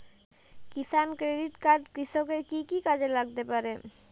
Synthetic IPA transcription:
kisankɾeɖiʈkaɾɖkɾiʃokeɾkikikad͡ʑelaɡ̚t̪epaɾe

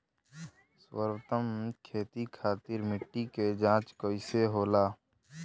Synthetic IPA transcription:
swə̰ɾwət̪əmkʰeːt̪ikʰaːt̪ɪɾmɪʈːiked͡ʒãːt͡ʃkoɪseɦoːlaː

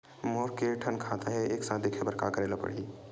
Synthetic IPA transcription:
moːɾkeʈʰənkʰat̪aɦɛeːksaːd̪ikʰebəɾka̰kəɾeːlapə̰ɽ̤i

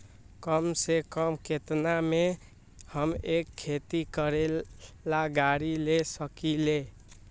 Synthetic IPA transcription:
kəmsekəmket̪name | həmekʰːet̪ikəɾe | laɡaɾilesəkile

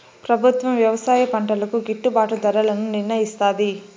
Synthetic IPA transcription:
pɾɐbʱut̪ʋɐmʋjɐʋɐsaːjɐpɐɳʈɐlɐkuɡiʈːubaːʈud̪ɐɾɐlɐnuninnɐjist̪aːd̪i

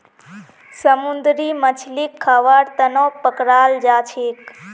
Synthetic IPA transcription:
səmund̪ɾimət͡ʃʰlikʰːaːʋaːɾt̪ənopəkɾaːld͡ʒaːt͡ʃʰeːk

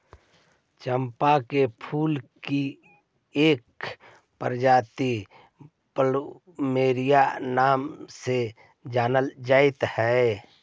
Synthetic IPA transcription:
t͡ʃəmpakepʰuːlki | eːk | pəɾd͡ʒaːt̪i | pəl | meːɾijanaːmse | d͡ʒaːnəld͡ʒaːɪt̪hɛ

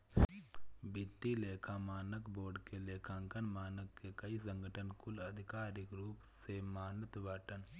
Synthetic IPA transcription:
bɪt̪ːileːkʰamaːnəkboːɾɖkeleːkʰãŋkənmaːnəkːekɐis̬ə̃ŋɡəʈʰənkʊlɐd̪ʱɪkaːɾɪkɾuːpsemaːnət̪ʋaːʈən

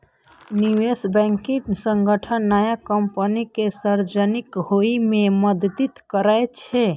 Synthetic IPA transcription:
niwesbɛ̃ŋkisəŋɡəʈʰənːajakəmpənikesəɾd͡ʒənikɦoimeməd̪d̪it̪kəɾajt͡ʃʰɛ

